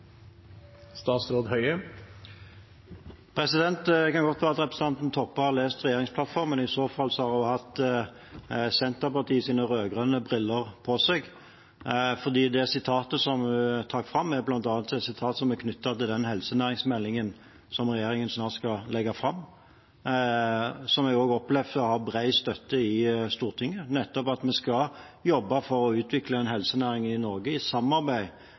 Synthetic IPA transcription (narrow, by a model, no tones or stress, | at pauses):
st̪ɑːt̪sɾoːd̪hœʏə | pʰɾɛsɪd̪ɛnt̪kɑnɡɔt̪ʋæːɑt̪əʁɛpɾəsəɑnt̪n̩t̪ʰɔpːəhɑɾleːst̪ʁɛjeːʁɪŋspʰlɑt̪fɔʁmənɪsoːfɑlːsɔhɑɾʊhɑt̪ | sɛnt̪əʁpɑʁt̪ʰiːsiːnəʁøːɡʁœnəbʁɪlːəʁpʰɔseɡ | fɔd̪iːd̪ɛsɪt̪ʰɑːt̪əsɔmʉt̪ʰɑːɾfʁɑmːæblɑnt̪ɑnɑt̪sɛt̪sɪt̪ʰɑːt̪sɔmɛkʰnʏt̪ːət̪ɪld̪ɛnhɛlsənæːɾɪŋsmɛlːɪŋən | sɔmʁɛjeːɾɪŋənsnɑːʁt̪skɑlɛɡːɑfɾɑmː | sɔmæɡoːɡɔplɛʋd̪əɔhɑʁbɾæɪst̪œt̪ːəɪst̪uːʁt̪ʰɪŋːənɛt̪ːɔpɑt̪mɛskɑ | jɔbːɑfɔɾɔʉːt̪ʰʋɪkləɛnɦɛlsənæːɾɪŋnɪnɔʁɡəɪsɑmːɑʁbæɪ